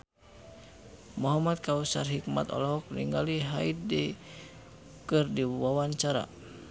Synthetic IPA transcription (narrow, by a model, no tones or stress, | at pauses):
mɔɦamat̪̚kausarɦik̚ma̰t̪ɔ̰lɔɦɔk̚nḭŋɡaliɦa̰it̪̚dɛ | kɨrdiwawaɲt͡ʃaɾa̰